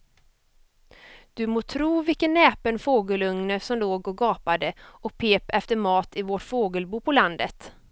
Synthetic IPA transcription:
d̪̥ɵmoːt̪ʰɾuːvɪlkənːɛːpənfoːɡəlɵŋnəsɔmloːɡɔɡɑːpad̪əʔɔk̚pʰeːpɛft̪əɾmɑːt̪ʰɪvɔʈfoːɡəlbuːpʰɔland̪ət̪

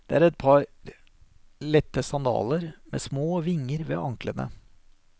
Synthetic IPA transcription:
d̪̥ɛ̰æɾɛt̪̚pʰɑɾ | lɛt̪ːəsɑnd̪ɑ̰ːləɾmḛːsmoːʋɪŋːəɾʋḛːʔɑŋklənə̰

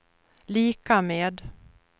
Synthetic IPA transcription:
liːkameːd̪

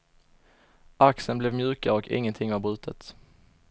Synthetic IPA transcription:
ʔaksənblɛvmjʉ̟ːkaɾɔkʰɪ̰ŋːənt̪ʰɪŋːvaɾbɾʉ̟ːt̪ʰət̪

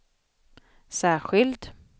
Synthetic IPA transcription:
sæːɧɪlt̪

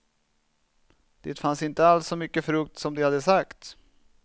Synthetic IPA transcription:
d̪̥ḛːt̪fansɪnt̪əalsːɔmʏkːəfɾɵk̚t̪sɔmd̪ɪhad̪ːəsakt̪

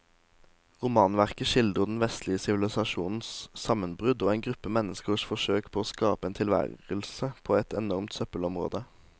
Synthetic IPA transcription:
ʁʊmɑːnʋæʁkəʃɪld̪ʁəd̪n̩ʋɛst̪ʰlɪəsɪʋɪlɪsɑʃuːnn̩ssɑmənbʁʉd̪oːeːnɡʁʉpːəmɛnəskəʁsfɔʃøːkpʰoːoːskɑːpəeːnt̪ʰɪlʋæ̰ʁəl̩səpʰoːɛt̪ɛnɔʁmt̪sœpəlɔmʁo̰ːd̪ə

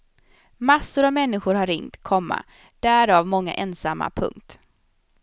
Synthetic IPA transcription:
masːʊɾavmɛnːɪɧʊɾhaɾɪŋt̪kʰɔmːa̰ | d̪̥æːɾavmɔŋːa̰ʔɛnsamːa̰pʰɵ̰ŋk̚t̪

